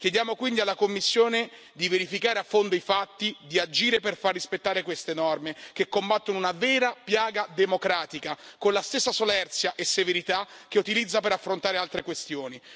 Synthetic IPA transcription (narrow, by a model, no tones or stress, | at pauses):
k̟jed̪jaːmokwind̪ialːakomːisːjoːne | d̪iveɾifikaːɾeafːond̪oifat̪ːid̪iad͡ʒiːɾeperfarːispet̪ːaːɾekwest̪enɔrmek̟ekːombat̪ːonounavɛːɾapjaːɡad̪emokɾaːt̪ikakonlast̪esːasolɛrt̪sjaʔesːeveɾit̪ak̟ːeut̪ilid̪zːapeɾafːɾont̪aːɾealt̪ɾekwest̪joːni